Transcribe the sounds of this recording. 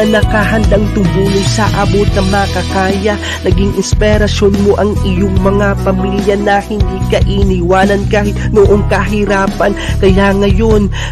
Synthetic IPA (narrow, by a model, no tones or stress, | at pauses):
ɐnɐkaɦɐnd̪aŋt̪ʊbuːnosɐʔabot̪̚nɐŋmɐɐkɐkaːjɐ | nɐɡiŋʔɪnspɛɾɐsjonmo̞ʔɐŋʔɪjoŋmɐŋapɐmiljɐnɐhɪnd̪ikɐʔiniwaːnɐnkahɪt̪̚noʔoŋkɐɦɪɾaːpɐnkɐjaŋɐjo̞n